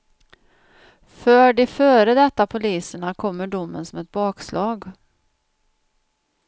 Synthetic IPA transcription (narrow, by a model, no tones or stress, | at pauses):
fœːɖɪfœːɾəd̪ɛt̪ːapʰʊliːsəɳakʰɔmːəɖʊmːənsɔmɛt̪̚bɑːkslʔɑːɡ